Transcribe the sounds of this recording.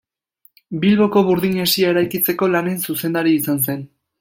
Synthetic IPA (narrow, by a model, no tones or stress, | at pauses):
bilβo̞ko̞βuɾðiɲe̞siae̞ɾajkit͡se̞ko̞lane̞nsuse̞nd̪aɾiːsans̬e̞n